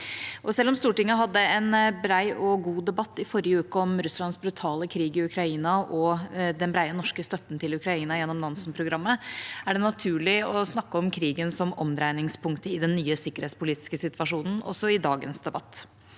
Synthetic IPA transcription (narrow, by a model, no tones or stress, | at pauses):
ʔɔsɛlːɔmst̪uːʈɪŋːəɦɑd̪ːəɛnbɾæɪɔɡuːd̪ɛbɑt̪ːɪfɔɾɪəʉːkəɔmɾʉslɑnsbɾʉt̪ʰɑːləkʰɾiːɡɪʉkʰɾɑiːnɑʔɔd̪ɛnbɾæɪənɔʂkəst̪œt̪ːn̩t̪ɪlʉkɾɑiːnɑjɛnːɔmnɑnsnpʰɾʊɡɾɑmːəæɖɛnɑt̪ʰʉːɭɪɔsnɑkːəɔmkʰɾiːɡənsɔmɔmd̪ɾæɪnɪŋspʰʊŋkt̪əɪd̪ɛnːyːəsɪkːəɾhɛːt̪spʊliːt̪ɪ̥skəsɪt̪ʋɑʂuːnn̩ɔ̰sːɔɪd̪ɑːɡənsd̪ɛbɑt̪ː